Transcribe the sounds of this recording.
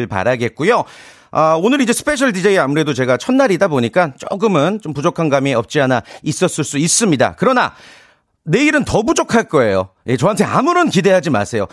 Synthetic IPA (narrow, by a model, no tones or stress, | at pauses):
ɭpa̰ɾaɡe̞t̚k͈ujo | ʌonɯɾid͡ʑe̞sʰɯ̥pʰe̞ɕʰʌɭdid͡ʑaiamuɾe̞dot͡ɕe̞ɡat͡ɕʰʌnːaɾidaboɲik͈ant͡ɕo̰ɡɯmɯnt͡ɕompud͡ʑokʰanɡamieʌp̚t͡ɕ͈iɦanais͈ʌs͈ɯɭs͈uis͈ɯmɲida̰kɯɾʌna̰ | ne̞iɾɯntʌbud͡ʑokʰaɭk͈ʌe̞jo̰ | jet͡ɕʌɦantʰe̞a̰muɾʌnkide̞ɦad͡ʑima̰sʰe̞jo